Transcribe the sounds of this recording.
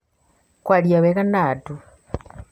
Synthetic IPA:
kwaljaβekanaːtu

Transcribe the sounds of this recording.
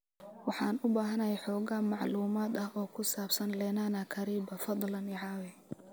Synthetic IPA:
wɑħɑːnʊbaːɦɐnɐjɛjħɔːɣɐmɑʕluːmaːd̪ɐhɔːkʰʊsaːbsɐnlɛːnaːnɐkʰɐɾiːbɐfɑd̪ˤlɐnɪʕɑːwɛ

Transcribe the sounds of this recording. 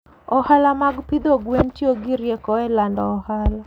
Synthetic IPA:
ɔhalamaɡpɪd̪oɡwentjoɡɪɾjekɔɛlandɔːhala

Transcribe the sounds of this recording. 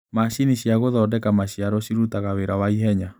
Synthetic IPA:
maʃiniɕjaɣoðɔdɛkamaɕiaɾɔɕiɾutaɣaweɾawaiɦɛɲa

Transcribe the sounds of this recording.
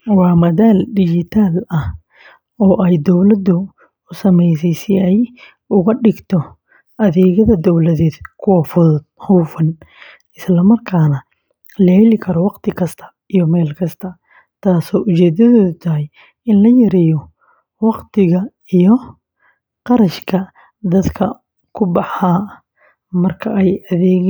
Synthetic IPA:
wɑːmɐðaːldɪd͡ʒɪt̪ʰaːlɐh | ɔːʔɛjd̪ɔwlɐd̪ʊ | ʊsɐmɛjsɛjsɪɛj | ʔʊɣɐɖɪɡt̪ʰɔ | ʔɐðɛːɣɐðɐd̪ɔwlɐðɛːd̪kʰʊwɐfʊðd̪̚hɔwfɐn | ɪslɐmɐrkʰaːnɐ | lɐhɛlɪkʰɐɾɔwɑqt̪ʰɪkʰɐst̪ʰɐ̥ | ijɔmɛːlkʰɐst̪ʰɐ | t̪ʰaːsɔːʔʊt͡ʃɛːd̪ɐðɔːðʊt̪ʰɐɦɛj | ɪnlɐjɐɾɛːjɔ | wɑqt̪ʰɪɣɐ | ijɔ | qɑɾɐʃkʰɐ | d̪ɐd̪kʰɐ | kʰʊbɑħaː | mɐrkʰɐʔɛjɐðɛːɣ

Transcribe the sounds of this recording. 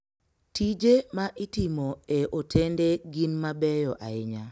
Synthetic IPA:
tid͡ʒemaʔɪtɪmoeʔotʰendeɡɪnmabɛjɔʔaɪɲa

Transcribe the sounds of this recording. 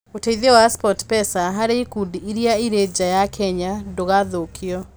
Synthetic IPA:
oteiðewaspɔtpɛsaɦaɾeikundiiɾiaiɾed͡ʒajakʰɛɲadoɣaðokʰiɔ

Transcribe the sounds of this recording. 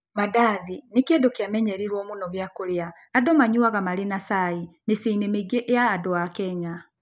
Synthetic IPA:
madaðinekjedokeamɛɲɛɾiɾwɔmonɔɣeakoɾeaː | dɔmaɲuaɣamaɾenasaemeseinemeɡeʔejaːdoakɛɲa

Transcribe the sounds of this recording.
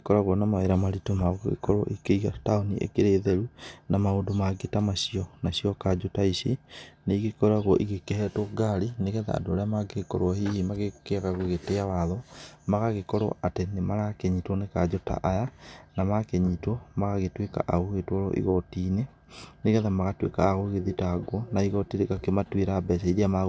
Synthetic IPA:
ekɔɾaɣwɔnamaeɾamaɾitomaɣoɣḛkɔɾɔ̰ʔikeiɣataoniʔḛkeɾeːðɛɾunamaoːdomaɡetamaɕiɔnaɕiɔkad͡ʒotaiseneiɣekɔɾaɣwɔʔiɣekehɛtoɡaɾineɣɛða̰ːdooɾeamaɡekɔɾwahihimaɣekeaɣaɣoɣeteawaðɔmaɣaɣekɔɾo̰ʔatenemaɾakɛɲitwɔnekad͡ʒota̰ʔajanamakeɲitwɔmaɣaɣetweka̰ʔaɣoɣetwɔɾɔ̰ʔḭɣɔtine | neɣɛðamaɣatwḛka̰ːɣoɣeðitaɡwɔnaiɣɔtiɾekakematweɾabɛsaiɾiama

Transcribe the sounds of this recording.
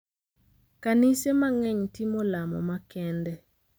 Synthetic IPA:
kanisemaŋɛɲtimolamɔ̰makɛndɛ

